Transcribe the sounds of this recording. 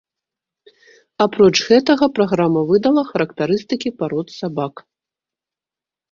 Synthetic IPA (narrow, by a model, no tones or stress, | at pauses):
apɾɔt͡ʂɣɛt̪ɐɣɐpɾaɣɾamɐvɨd̪ɐlˠɐxɐɾɐkt̪aɾɨst̪ɨkʲipaɾɔt̪sabak